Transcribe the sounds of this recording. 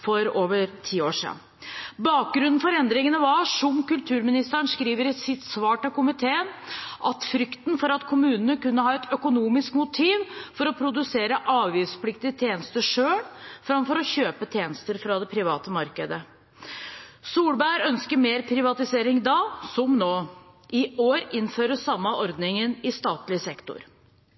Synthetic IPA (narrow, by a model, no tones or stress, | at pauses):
fɔɾoːʋəɾt̪ʰiːoːʂḭːn | bɑːk̚ɡɾʉnːn̩fɔɾɛnd̪ɾɪŋənəʋɑʂɔmkʉlt̪ʰʉːɾmɪnɪst̪əəɳʂkɾiːʋəɾsɪt̪sʋɑːʈɑkʊmɪt̪ʰeːənʔɑt̪fɾʏkt̪nfɔɾɑt̪kʰʊmʉːnənəkʉnːəɦɑːɛt̪œkʊnuːmɪskmʊt̪ʰiːʋfɔɾɔpʰɾʊd̪ʉseːɾəʔɑːʋʋiːspʰlɪk̚t̪ɪət̪ʰjeːnəst̪əʂøːɽfɾɑmfɔɾɔçøːpət̪ʰjeːnəst̪əɾfɾɑd̪ɛpʰɾɪʋɑːt̪əmɑɾkəd̪ə | suːlbæɾœnskəɾmeːɾpʰɾɪʋɑt̪ɪseːɾɪŋd̪ɑːsɔmnoː | ʔɪoːɾɪnːføːɾəsɑmːəʔɔɾd̪nɪŋənɪst̪ɑːt̪lɪsɛkt̪ʊ̰ɾ